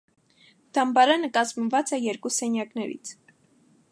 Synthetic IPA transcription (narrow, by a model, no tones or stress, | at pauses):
d̪̥ɑmbɑɾɑnəkɑzmvɑt͡sɛjɛɾkusɛnjɑknɛɾḭt͡sʰ